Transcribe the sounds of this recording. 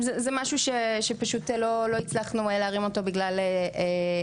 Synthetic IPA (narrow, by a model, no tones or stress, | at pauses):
zɛzɛmaʃuʃeʃe̞paʃutelo̞lo̞it͡slaχnueleaʁimo̞to̞biɡlalee